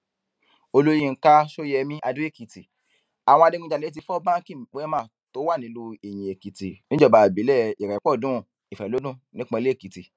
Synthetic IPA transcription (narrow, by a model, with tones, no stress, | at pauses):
o˧lo˦jĩ˦˧˦ka˦ʃo˦jɛ˧mĩ˦ʔa˧dũ˦e˦˨ki˨ti˨ | a˨w̃ɔ̃˧a˧de˧ɡũ˧˦d͡ʒa˧le˨˦t̬i˧fɔ˦bã˦ki˦˨˦k͡pɛ˦mã˦˨ | to˨˦wa˦˨nĩ˨˦lu˧˦e˨j̃ĩ˨e˨ki˨ti˨nĩ˦d͡ʒɔ˦ba˨bi˨˦lɛ˦˨i˨ɾɛ˨˦k͡pɔ˦˨dũ˨˦˨ | i˨fɛ˨lo˨˦dũ˦˨nĩ˦k͡pɔ̃˧le˦˨ki˨ti˨